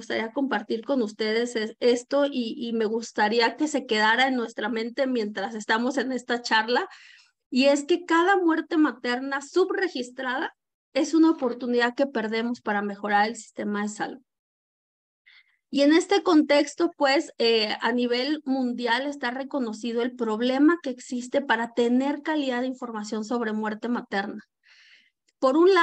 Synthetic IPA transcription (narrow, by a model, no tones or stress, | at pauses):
ust̪a̰ɾiako̞mpaɾt̪iɾko̞nust̪e̞ð̞e̞see̞st̪o̞ʔiːme̞ɣust̪aɾiake̞se̞ke̞ðaɾae̞nːwe̞st̪ɾamẽ̞nt̪e̞mje̞nt̪ɾase̞st̪amo̞se̞ne̞st̪at͡ʃaɾla | ie̞ske̞kaðamwe̞ɾt̪e̞mat̪e̞ɾnasuβre̞xist̪ɾaða | e̞sunaopo̞ɾt̪uniðaðke̞pe̞ɾðe̞mo̞spaɾame̞xo̞ɾaɾe̞lsi̥st̪e̞mað̞e̞sa̰luð | ie̞ne̞st̪e̞ko̞nt̪e̞kst̪o̞pwe̞sea̰niβ̞e̞lmũnd̪jale̞st̪are̞ko̞no̞sið̞o̞elpɾo̞β̞le̞make̞ːksist̪e̞paɾat̪e̞ne̞ɾkaliðaðeiɱfo̞ɾmasjo̞nso̞βɾe̞mwe̞ɾt̪e̞mat̪e̞ɾna | po̞ɾunla